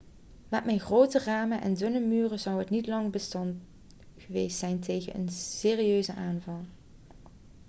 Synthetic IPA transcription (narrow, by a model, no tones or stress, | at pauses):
mɛtmɛjnχrowtəraːmənʔɛ̰ndɵnəmyːrəzɑwɦətnitlɑŋbəstɑnt | χəʋejstsɛjntejɣənə̰nseːriøɥzəʔaːnvɑlˠ